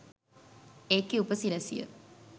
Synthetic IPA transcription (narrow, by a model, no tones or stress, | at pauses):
eːkːiupəsiɾɐsijə̰